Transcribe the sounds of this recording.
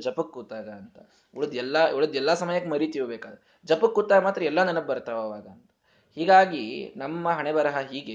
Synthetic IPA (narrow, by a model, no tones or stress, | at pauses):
d͡ʒɐpɐkːuːt̪aːɡɐnt̪ɐ | uɭud̪ɛlːɐuɭud̪ɛlːɐsɐmɐjɐkːemɐɾit̪iʋbeːkaːd̪ɐɾ | d͡ʒɐpukːuːt̪ːaːɡɐmaːt̪ɾɐɛlːɐnɐnɐb̚bɐɾt̪ɐʋɐʋaːɡɐːnt̪ɐ̥ | hiːɡaːɡinɐmːɐɦɐɳebɐɾɐɦɐɦiːɡe